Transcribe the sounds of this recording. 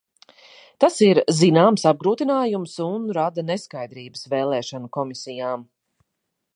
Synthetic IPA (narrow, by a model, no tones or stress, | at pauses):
t̪asiɾzinaːmsab̚ɡɾuːt̪inaːjumsunɾad̪aneskajd̪ɾiːbəsvɛːlˠɛːʃanukɔmisijaːm